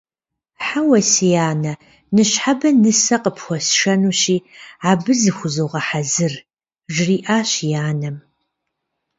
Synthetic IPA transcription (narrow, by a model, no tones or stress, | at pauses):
ħawɐsijaːnɐ | nɨɕħabɐnɨsɐqəpʰxʷɔsʃɐnuːɕiːaːbɨzɨxʷʊzowʁɐħazɨr | ʒriːʔaːɕjaːnɐm